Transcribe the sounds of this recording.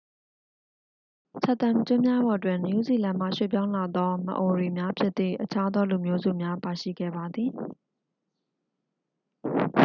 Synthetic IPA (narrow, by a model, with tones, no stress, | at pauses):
t͡ɕʰɛ˦˨t̪ã˨mt͡ɕʊ̃˦mja˦bɔ˨twɪ̃˨nju˦˨zi˨lã˨m̥a̰˦˨ʃwḛ˦˨pjã˦ʊ̃la˨d̪ɔ˦mə̰˦˨ʔo˨ɹwe˨mja˦pʰjɪ˦t̪ːḭ˦˨ʔət͡ɕʰa˦d̪ɔ˦lu˨mjo˦zṵ˦˨mja˦pa˨ʃḭ˦˨ɡɛ̰˦˨ba˨d̪ði˨